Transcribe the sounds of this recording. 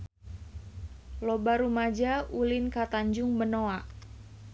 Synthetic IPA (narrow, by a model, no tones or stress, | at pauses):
lobaɾumad͡ʒaulɪnkat̪aɲd͡ʒʊŋbənoaʔ